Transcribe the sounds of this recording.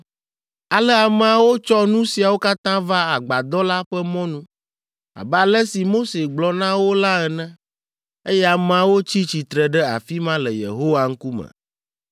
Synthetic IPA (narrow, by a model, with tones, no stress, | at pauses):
a˨lɛ˦a˨mɛ˨a˨wo˦t͡ʃɔ˦nũ˦si˨a˨wo˦ka˦t̪ã˦va˦a˨ɡ͡ba˨d̪ɔ˦la˦ɸɛ˦mɔ̃˦nũ˦ | a̰˨bɛ˦a˨lɛ˦si˨mo˦se˨ɡ͡blɔ˨nã˦wo˦la˦ɛ˨nɛ̃˦ | e˦jɛ˦a˨mɛ˨a˨wo˦t͡ɕi˦t͡ɕi˨t̪ɾɛ˨ɖɛ˦a̰˨fi˦mã˦lɛ˨jḛ˨ɦo˦wa˨ŋ̩˦ku˦mɛ̰̃˨